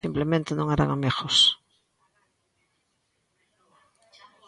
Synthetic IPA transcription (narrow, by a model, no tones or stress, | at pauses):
implemẽnt̪enõŋeɾa̰ŋameɣos